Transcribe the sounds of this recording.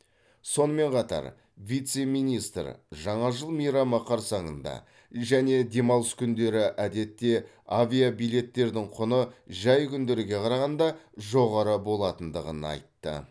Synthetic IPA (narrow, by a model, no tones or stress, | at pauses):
so̞nəme̞ɴqʰɑt̪ɑ̰ɾ | vijt̪se̞mijnijst̪rʒɑɴɑʒəlˠmijɾɑmɑqʰɑɾsɑɴənd̪ɑ̰ | ʒæne̞d̪e̞mɑwˠəskʲʰʏnd̪e̞ɾɪʔæd̪e̞t̪ːe̞ | avʲijabijle̞t̪ːe̞ɾd̪ɪŋqʰʊnəʒɑjkʲʰʏnd̪e̞ɾɪɡʲe̞qʰɑɾɑʁɑnd̪ɑʒo̞ʁɑɾəbo̞lˠɑt̪ənd̪əʁə̰nɑ̰jt̪ːə̰